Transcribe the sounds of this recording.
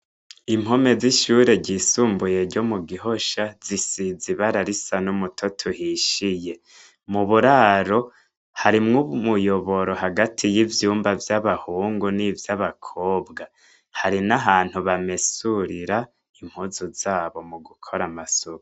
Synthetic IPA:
imɦo̞me̞ziʃuːɾe̞ɟisuːmbuje̞ɾɟo̞muɡiɦo̞ʃazisiziβaɾaɾisanumutʰotʰuhiʃije̞ | muβuɾaɾo̞ | haɾimŋumujo̞βo̞ɾo̞ɦaɡatʰijivjuːmbavjaβahuːŋɡunivjaβakʰo̞ːbɡa | haɾinaɦaːn̥huβame̞suɾiɾa | im̥huzuzaːβo̞muɡukʰo̞ɾamasuβ

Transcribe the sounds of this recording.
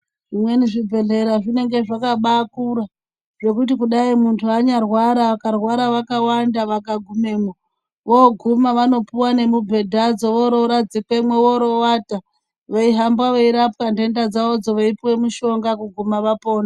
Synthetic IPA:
ʐimwe̞niʐibʱe̞ɮe̞ɾaʐine̞ŋɡe̞ʐakaɓakuɾa | ʐek̬ut̬ikuɗaimuntʰuaɲarwaɾaʋakarwaɾaʋakawandaʋakaɡʱume̞ːmo | ʋoɡʱumaʋano̞piwane̞mubʱe̞dʱad͡zo̞ʋoɾoɾad͡zikwemwe̞ʋoɾo̞wata | ʋeiɦambwaʋeiɾap̚kande̞ndad͡zaod͡zoʋeipiwe̞muʃo̞ŋɡakuɡʱumaʋapo̞ːna

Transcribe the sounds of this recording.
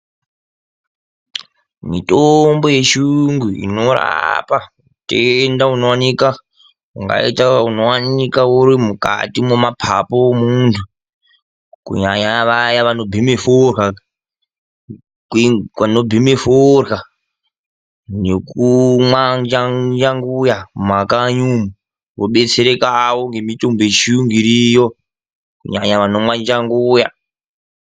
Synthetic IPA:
mitombo̞je̞ʃuŋɡuḭno̞ɾa̰pa | utendaunowanika | uŋɡa̰itauno̞wanikauɾimuka̰timomapʰa̰pomuntʰu | kṵɲaɲaʋajaʋano̞bʱimeforxa | kkano̞bʱimeforɣa | ne̞kumwaɲd͡ʒad͡ʒaŋɡujamakaɲumu | ʋoɓe̞t͡seɾekawo̞ŋɡe̞mitʼombe̞t͡ʃijuŋɡiɾijo | kṵɲaɲaʋano̞mwaɲd͡ʒaŋɡuja̰

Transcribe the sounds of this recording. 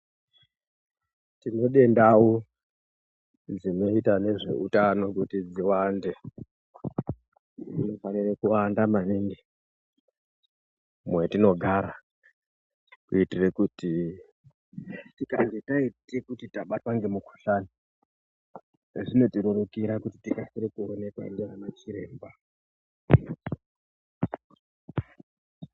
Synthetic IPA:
tino̞ɗe̞ndawo | d͡zino̞itane̞ʐe̞̰ʔutano̞kutid͡ziwande | ḭno̞fanirekuwandamaniːŋɡi | mwe̞tino̞ɡʱaɾa | kuitirekuti | tika̰ndetaitekutitaɓatwaŋɡe̞muko̥ɬani | ʐino̞tiɾoɾukiɾakutitikasiɾekuone̞kwa̰ḭnɡeɦanat͡ʃiɾe̞ːmba

